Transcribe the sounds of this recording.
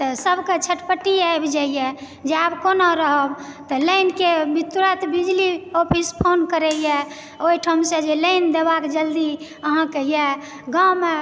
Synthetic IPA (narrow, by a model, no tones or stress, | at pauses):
t̪ɔsəbʱket͡ʃʰəʈpəʈiajbd͡ʒaijɛ | d͡ʒeabkonaɾəɦəbt̪ɔləɪnkebit̪uɾət̪bid͡ʒliopʰispʰonkəɾəjɛ | oiʈʰəmsẽd͡ʒeləɪnd̪ebakd͡ʒəld̪i | əɦãkejɛ | ɡame